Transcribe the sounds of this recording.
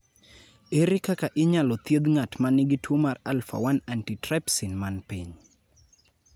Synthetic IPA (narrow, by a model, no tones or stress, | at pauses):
eɾɪkakaʔɪɲalɔt̪jed̪ŋatmanɪɡɪtʰomaralfa̰wanantitɾɛpsinmanpiɲ